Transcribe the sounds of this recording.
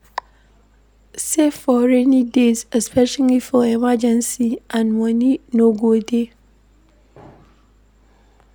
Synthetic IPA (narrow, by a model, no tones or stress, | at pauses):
sefɔɹɛnĩdezɛspɛʃalifɔɛmad͡ʒɛ̃nsiãnmɔ̃nĩnõɡode